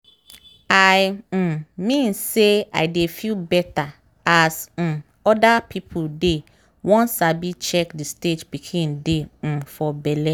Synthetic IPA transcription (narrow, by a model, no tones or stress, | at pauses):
aɪm̩mĩnsea̰ɪdefilbɛtʰa | asm̩ | ɔdapʰipʰude | wɔ̃nsabit͡ʃʰɛkdisted͡ʒbikʰĩndem̩fɔbɛlɛ